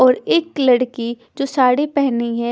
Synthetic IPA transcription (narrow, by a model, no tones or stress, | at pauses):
ɔːɾeːklɐɽki | d͡ʒoːsaːɽepɛɦniɦɛ